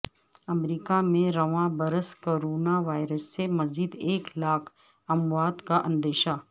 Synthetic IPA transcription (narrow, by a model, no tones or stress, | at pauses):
ɐmɾiːkamẽɾɐʋãbɐɾəskoːɾoːnaʋaːɪɾəsːemɐziːd̪eːklaːkʰ | ɐmʋaːd̪kaʔɐ̃nd̪eːʃa